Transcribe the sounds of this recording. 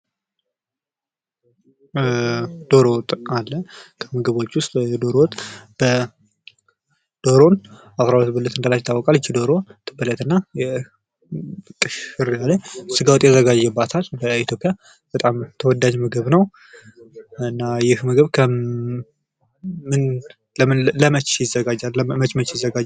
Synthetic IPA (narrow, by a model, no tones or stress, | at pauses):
d̪̥o̞ɾowt̪ʼalːəkʰəməɡəβo̞t͡ʃːwʊst̪ʼd̪o̞ɾowt̪ʼb̥ə | d̪̥oɾonʔasɾaət̪bələt̪ɨnd̪əlat͡ʃt̪ʰːawɔkʼalɪt͡ʃːid̪oɾo̞t̪ʰɨbələt̪ɨnːajɛ | kʼɨʃɨɾjaləɲsɨɡawɔt̪ʼjɛzəɡad͡ʒːɛbːat̪ʰalbəit̪ʰjo̞pʼːja | b̥ət̪ʼamt̪ʰəwɔd̪ad͡ʒməɡɨβnəw | ɨnːajɪhməɡɨβkʰə | mɨn | ləmnləmət͡ʃjɪzːəɡad͡ʒalmət͡ʃmət͡ʃjɪzːəɡad͡ʒ